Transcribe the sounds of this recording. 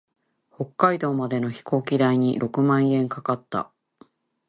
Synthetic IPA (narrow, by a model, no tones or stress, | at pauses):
ho̞kːaid̪o̞ːmad̪e̞no̞çi̥ko̞ːkʲid̪aiɲ̟ḭɾʔo̞kɯ̟mãɰ̃ẽ̞ŋkakat̪ːa̰